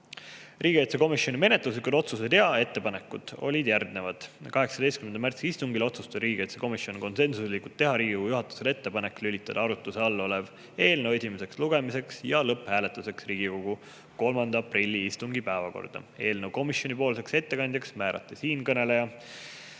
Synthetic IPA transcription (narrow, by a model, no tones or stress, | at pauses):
rʔiːɡ̥iet̪seko̞misjo̞nʲime̞net̪luslikud̪o̞t̪suse̞t̪e̞ɑe̞t̪ːe̞pɑne̞kːˑud̪̥o̞̰lʲid̪̥jærɡ̪ne̞vɑd̪̥kɑɦe̞ksɑd̪e̞jst̪kymend̪ɑmært̪siist̪uŋɡilo̞t̪sust̪ɑɾiːɡiet̪seko̞misjo̞niko̞nse̞nsuslikult̪ːe̞ɦɑɾiːɡiko̞ɡujuɦɑt̪ːˑu̥se̞le̞t̪ːe̞pɑnekːlylit̪ːˑɑd̪̥ɑɑɾut̪ːˑuse̞ɑlːo̞le̞v | e̞ːlnewe̞simese̞ksluɡe̞mise̞ksjɑlɤphæːle̞t̪ːˑuse̞ksriːɡiko̞ɡ̥u | ko̞lmɑnd̪ɑɑprilʲːiist̪uŋɡipæːvɑko̞̰rd̪̥ɑ̰e̞ːlnewko̞misjo̞nʲipo̞ːlse̞kse̞t̪ːe̞kɑnʲd̪jɑksmæːɾʔɑ̰t̪ːˑisiːnkɤne̞le̞jɑ